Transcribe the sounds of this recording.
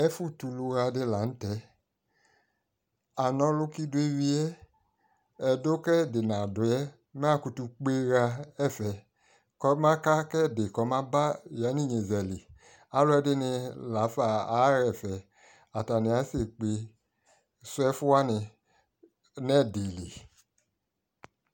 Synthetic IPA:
ɛ˦fu˦tu˧lu˧ɾa˧dɪ˧la˨˦n̩˦tɛ˨˦ | a˨nɔ̃˧˦lʊ˦ki˦du˧˦e˦wi˧˦ɛ˦ | ɛ˧do˦kɛ˦˨de˨nã˨dʊ˨˦jɛ˦ | mɛ˦a˦ku˧tu˧k͡pe˧ɾa˧ɛ˦˨fɛ˨ | kɔ˧˦mã˦ka˦kɛ˦˨de˨kɔ˧˦mã˦ba˦˨ja˨˦ni˦˨ɲe˨zɛ˨li˨ | a˦lʊ˦ɛ˧dɪ˦nɪ˧la˨˦fa˧a˨˦ɾɛ˨fɛ˨ | a˨ta˨nɪ˧a˨˦se˦˨k͡pe˧ | sʊ˦ɛ˦fu˦a˦nɪ˧ | nɛ˦˨de˨lḭ˨

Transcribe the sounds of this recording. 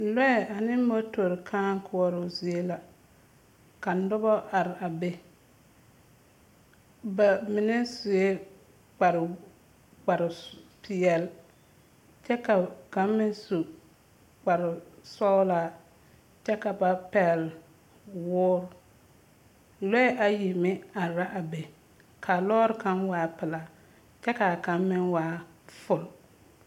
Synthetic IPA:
lɛ˦ɛ˨a˨nɪ˦mo˦to˨ɾkʰa˦ŋ˦kʰʊ˦ɔ˦ɾʊ˨zi˨e˦la˨ | ka˨n̩˦dʊ˦bɔ˦ʔa˨ɾɪ˨a˨be˦ | ba˨mɪ˨ne˦su˨e˦ | k͡pa˨ɾ | k͡pa˨ɾɪ˨pʰɪ˨ɛ˨l | t͡ʃɛ˦ka˨ka˨˦mː˦ɪ˦nsu˨ | k͡pa˨ɾɪ˨sɔ˦laː˦˨ | t͡ʃɛ˦ka˨ba˨pɛ˨l | wʊː˦ɾ | lɛ˦ʔa˨ji˨mɪ˦a˨ɾa˦ʔa˨be˨ | kʰa˨lɔː˦ɾka˦nwaː˦pɪ˨la˨˦ | t͡ʃɛ˦ka˨ka˨˦mːɪ˦nwaː˨˦ | fʊ˨l

